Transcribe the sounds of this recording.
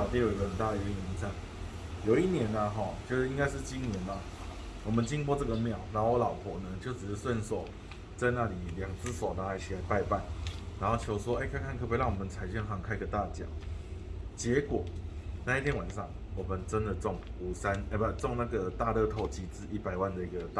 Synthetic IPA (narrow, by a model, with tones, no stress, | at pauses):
pji˥˩ji˧˥ɡə˧˩xə˨˩nt̪a˥˩d̪ə˨˩y˧˥˧nɛ˧˥nt͡sa˥˩ŋ | jo˨˩ʊi˥˩njɛ˧˦nɐ˧ɦɔ˥˩t͡ɕjo˥˧ʂɻ̩˥˩i˥ŋka˥ɪʂɻ̩˥˨t͡ɕi˦ŋnjɛ˨˧˦na˨ | wɔ˨˩mə˦nt͡ɕi˦ŋpwɔ˥t͡sɤ˥˩ɡə˨mjɑ˥˩ʊna˧˦ŋxo˥˧lɑ˨˩ʊkʰɔ˨˩nə˦t͡ɕjo˥˩ʊʈ͡ʂɻ̩˨˩ʂ̩˥˧swə˥˧nso˥˩ʊ | t͡sa˥˧ɪna˥˩li˨˩ljɑ˨˩ŋt͡sɹ̩˥so˨˩ʊna˧˩a˧˥t͡ɕʰi˨˩a˧˥ɪpa˥˧ɪpa˥˩nɻa˧˥nxo˥˩ʊt͡ɕʰjo˧˥ʊʂwɔ˦e˥˨kʰa˥˧nkʰa˥˧nkʰɤ˥˩pwe˧˥ɪɑ˥˩ŋwɔ˨˩mə˦nt͡sʰa˨˩ɪɕjɛ˥˧ŋɦɑ˥˩ŋkʰa˥ɪ˧ɡə˨t̪a˥˨t͡ɕjɑ̰˨˩˦ | t͡ɕjɛ˧˦kwɔ˨˩˦na˥˧i˥t̪ʰjɛ˥nwa˨˩nʂɑ˥˩ŋ | wɔ˨˩mə˦nʈ͡ʂə˦nd̪ə˨t͡sɔ˥˩ŋu˨˩sa˦ne˧˩a˧˩t͡sɔ˥˧ŋna˥˩ɡə˨˩t̪a˥˧lɤ˥˧t̪ʰo˥˩ʊt͡ɕi˧˥t͡sɹ̩˥i˥˩pa˨˩ɪwa˥˩nd̪ə˨˩i˧˥ɡə˨t̪a˥